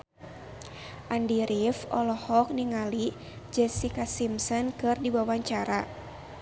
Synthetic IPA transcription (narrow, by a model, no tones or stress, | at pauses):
ʔandiɾifɔlɔhɔk̚niŋali | d͡ʒɛsikasimsɔnkɨrdiwawaɲt͡ʃaɾa